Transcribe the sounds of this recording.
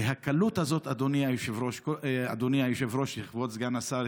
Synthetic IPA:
hakalut̪hazo̞t̪ad̪onijajuʃevɾoʃkoad̪oniajuʃevɾoʃliχvotzɡanasa

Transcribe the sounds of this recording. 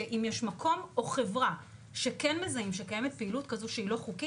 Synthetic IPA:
eʔimjeʃmakʰo̞mo̞χe̞vʁa | ʃe̞kenmezaimʃe̞kaje̞met̚pe̞ilutkazoʃeilo̞χuki

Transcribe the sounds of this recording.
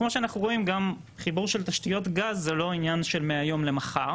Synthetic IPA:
kmoʃeanaχnuʁo̞imɡam | χibuʁʃe̞lt̪aʃtijo̞tɡazːelo̞injanʃe̞lmeajo̞mle̞maχaʁ

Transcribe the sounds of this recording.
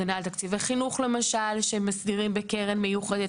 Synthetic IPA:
analt̪akt͡sivaχinuχle̞maʃalʃeemːasdiʁimbekeʁenmejuχed̪e

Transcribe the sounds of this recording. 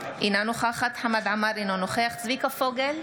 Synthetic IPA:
ʔinanoχaχat̪ħamad̪ʕamaɾinonoχeaχt͡svikafoɡel

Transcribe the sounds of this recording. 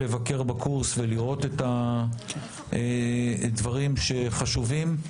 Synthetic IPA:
e̞vake̞ʁbakuʁsveliʁo̞tet̪a | edvaʁimʃe̞χaʃuvim

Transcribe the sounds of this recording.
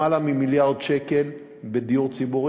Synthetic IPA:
alamimiljaʁd̪ʃeke̞l | bed̪iuʁt͡sibuʁ

